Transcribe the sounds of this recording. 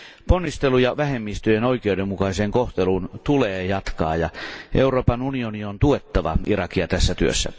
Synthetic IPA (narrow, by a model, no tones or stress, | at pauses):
ponːist̪elujɑʋæhemːiːst̪yøjenoikeudemːukɑiseːŋkoht̪elunt̪uleːjɑt̪kɑ̰ːjɑʔeuroːpɑnunioniont̪uet̪ːɑʋɑ̰irɑkiɑt̪æsːæt̪yø̰sːæ̰